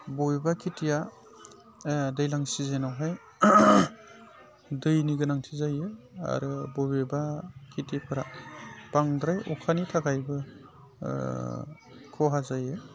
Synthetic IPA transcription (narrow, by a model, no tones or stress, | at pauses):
bobbakʰitija | dɯjlaŋsizenawɦaj | dɯjniɡɯnaŋtʰizajɯ | a̰ɾɯbobebakʰitipʰɯɾa̰paŋdɾajʔɔ̰kʰanitʰaɡajbɯ | kʰɔɦazajɯ